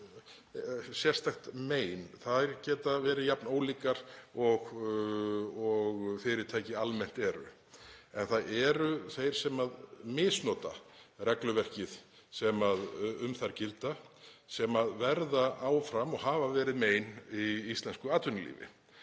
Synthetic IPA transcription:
sjɛr̥st̪axt̪meːjnθaðɛɾcɛːt̪avɛːɾɪjapnoːwliːkaɾ̥ɔɣ | ɔɣfɪɾɪɾt̪ʰaːjcɪalmɛn̥t̪ɛɾʏ̰ | ɛnθaðɛɾʏθejɾ̥sɛmaðmɪːsnɔːt̪a̰rɛklʏvɛr̥cɪð̥ | sɛmaðʏmθaɾ̥cɪlt̪asɛmaðvɛɾðaaːwfɾamɔɣɦaːvavɛːɾɪðmeːjniist̪lɛnskʏaːt̪vʏnɪlḭːvɪ̰

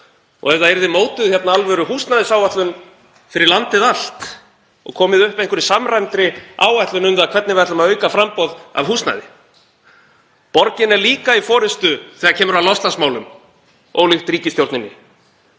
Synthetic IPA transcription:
ɔ̰ɣɛvðaɛɾðɪmoːwt̪ʏðçɛt̪naalvɛɾʏɦust̪naðɪsaːwvaht̪lʏn | fɪɾɪɾlant̪ɪðal̥t̪ | ɔ̰ɣkʰɔːmɪðʏhpejŋkvʏɾɪsamrajmt̪ɾɪa̰ːwaht̪lʏnʏnvakʰvɛt̪nɪvɛɾt̪lʏmaœːɥkafɾampɔða̰vɦust̪na̰ðɪ | pɔɾcɪnɛɾliːkaifɔːɾɪst̪ʏθɛːɣacʰɛːmʏɾawlɔst̪lansmaːwlʏm | ɔ̰wlɪxt̪ɾiːcɪst̪jowɾt̪nɪnːɪ

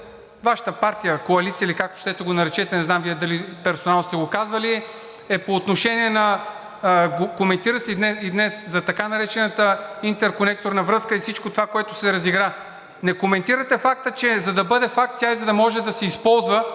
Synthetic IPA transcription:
vaʃə̥t̪əpaɾt̪ijəkoɐlit̪siəilikak̚t̪o̥ʃt̪ɛt̪ɛɡonɐɾɛt͡ʃɛt̪ɛnɛznamviɛd̪ɐlipɛɾsonalˠst̪ɛɡokazvɐli | ɛpoːt̪noʃɛniɛnɐ | ɡokomɛnt̪iɾəsɛid̪nɛid̪nɛszɐt̪ɐkanɐɾɛt͡ʃɛnət̪əint̪ɛɾkonɛk̚t̪oɾnɐvɾɤskəifsit͡ʃkot̪ovakoɛt̪ʊsɛɾɐziɡɾa | nɛkomɛnt̪iɾət̪ɛfak̚t̪ət͡ʃɛzɐd̪ɐbɤd̪ɛfak̚t̪t̪ʲaizɐd̪ɐmɔʒɛd̪ɐsɛispɔlˠzvə

